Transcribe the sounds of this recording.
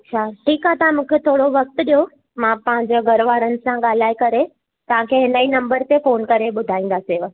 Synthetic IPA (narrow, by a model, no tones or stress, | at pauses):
ɐtt͡ɕʰaːʈʰiːkɦaːt̪ɐʋãmũːkʰet̪ʰoːɽoʋɐk̚t̪ɗijo | mãpɐ̃ɦɪ̃ɲd͡ʑeɡʱɐɾʋaːɾənɪ̆sãɠaːl̤aːikɐɾe | t̪ɐʋ̤ãkʰeɦɪnəinɐ̃mbəɾt̪efoːnkɐɾeɓʊd̪ʱaːĩːnd̪aːseʋɐ